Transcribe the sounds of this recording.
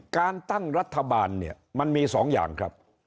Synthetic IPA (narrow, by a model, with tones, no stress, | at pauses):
kaː˧nt̪a˥˩ŋɾa˦˥t̪ʰːa˧baː˧nːi˥˩ɐma˧nmiː˧sɔː˩˦ŋja̰ː˨˩ŋkʰɾa˦˥p̚